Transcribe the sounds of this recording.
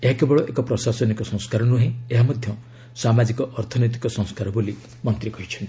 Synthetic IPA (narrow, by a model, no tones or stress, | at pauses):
eɦakebɔɭɔʔekɔpɾɔsasɔnikɔsɔ̃ŋ̃skaɾɔnuɦẽeɦamɔd̪ʱjɔ | samad͡ʒikɔʔɔɾt̪ʰɔnɔjt̪̬i̥kɔsɔ̃ŋ̃skaɾɔboli | mɔnt̪ɾikɔɦit͡ʃʰɔnt̪i̥